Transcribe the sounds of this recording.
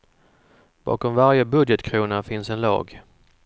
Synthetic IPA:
b̥ɑ̰ːkɔmvaɾjəbɵd̪jət̪kʰɾuːnafɪnsɛnlɑ̰ːɡ

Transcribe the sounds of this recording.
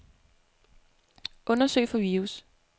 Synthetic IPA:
ʔɔ̽nɐsø̰ɪ̰fɒ̽ʋiːus

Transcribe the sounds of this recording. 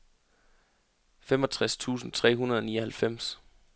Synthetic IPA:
femɒ̽t͡sʰʁast͡sʰṵːsn̩t͡sʰʁɛ̰ːɦunɐð̞ˠɒniːɒhælfem̰s

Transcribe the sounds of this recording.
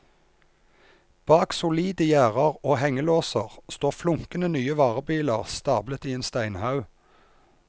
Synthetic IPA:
b̥ɑːksʊliːd̪əjæːʁɑʁoːhɛŋəloːsəʁst̪oːʁflʊŋkənənyːəʋɑːʁəbiːləʁst̪ɑːblət̪iːeːnst̪æɪnhɑʉ

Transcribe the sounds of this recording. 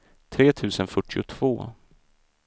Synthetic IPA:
t̪ʰɾeːt̪ʰʉ̟ːsənfœʈːɪʊ̰t̪ʰv̥o̰ː

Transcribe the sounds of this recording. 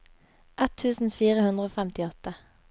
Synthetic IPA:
ʔɛt̪ʰːʉːsn̩fiːʁəhʉnd̪ʁəoːfæmt̪ɪɔt̪ə

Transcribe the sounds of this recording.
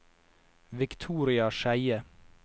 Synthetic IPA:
ʋɪkt̪ʰuːɾɪɑʃæɪə

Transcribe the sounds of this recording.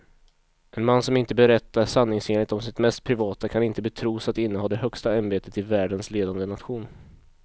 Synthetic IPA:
ʔɛnmanːsɔmɪnt̪əbɛɾɛt̪ːaɾʂanːɪŋseːnlɪt̪ɔmsɪt̪mɛst̪̚pʰɾɪvɑːt̪akʰanɪnt̪əbɛt̪ʰɾuːsat̪ɪnːəɦɔːd̪ɛɦœkst̪aanbeːt̪ət̪ɪvæːɖənsleːd̪and̪ənat̪ɧuːn

